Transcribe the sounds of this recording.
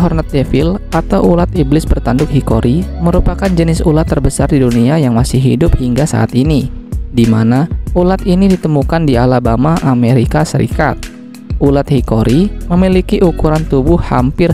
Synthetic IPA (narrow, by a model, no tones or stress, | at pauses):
ɦɔrnat̪̚ːefɪlat̪awʔulat̪̚iblɪsbərt̪andʊk̚hikoɾʔiməɾupakand͡ʒənɪsṵlat̪ːərbəsardiduniajaŋmasɪhḭdʊp̚hiŋɡasa̰ʔa̰t̪inidimanaulat̪inidit̪əmukandialabamaʔameɾikasəɾḭka̰t̪̚ | ʔulat̪̚hikoɾiməmilikiʔukuɾant̪ubʊhha̰mpɪr